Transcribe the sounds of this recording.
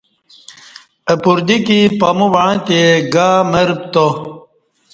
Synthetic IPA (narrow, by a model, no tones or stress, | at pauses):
əpuɾd̪ikipɐmuʋɐɻãt̪eɡaːməɾp̚t̪o